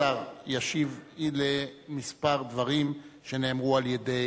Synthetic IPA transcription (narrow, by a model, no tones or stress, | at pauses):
aʁjaʃivilemispaʁd̪vaʁimʃe̞ne̞ːmʁualjede